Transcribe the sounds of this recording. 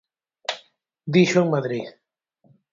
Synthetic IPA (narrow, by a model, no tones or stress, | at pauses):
d̪iʃoŋmaðɾið